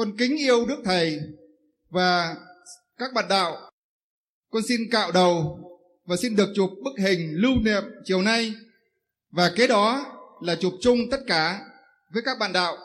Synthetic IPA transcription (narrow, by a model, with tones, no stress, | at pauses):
kɔ˧nkï˨˦ŋ̟ʔi˧əwɗɨ˦˥ək̚t̪ʰə˨˩j | vaː˨˩ | kaː˦˥k̚ɓa̰ː˧˨nɗa̰ː˧˨w | kɔ˧nsi˧nka̰ː˧˨wɗə˨˩w | vaː˨˩si˧nɗɨ˨˩ək̚t͡ɕʊ˨˩p̚ɓɨ˦˥k̚hï˨˩ŋ̟lɨ˧wnḭ˨˧˨əm̚t͡ɕi˨˩əwna˧j | vaː˨˩ke˨˦ɗɔ˨˦laː˨˩t͡ɕu˨˩p̚t͡ɕʊ˧ŋ͡mt̪ə˦˥t̚kaː˧˩ | vəː˨˦jkaː˦˥k̚ɓa̰ː˧˨nɗa̰ː˧˨wʔ